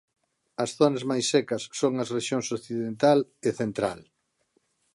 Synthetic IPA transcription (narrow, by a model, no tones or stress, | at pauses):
ɐsθonɐzmajsːɛkɐsːoŋɐsreʃjoŋsokθiðent̪aleθent̪ɾa̰l